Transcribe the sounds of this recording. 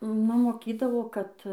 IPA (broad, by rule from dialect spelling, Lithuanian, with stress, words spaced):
ˈnʊ moːˈkʲiːdɐʋoː ˈkɐt